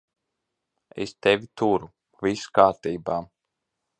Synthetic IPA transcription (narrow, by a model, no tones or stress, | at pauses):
ḛst̪evʲit̪uɾu | viskaːɾt̪iːbaː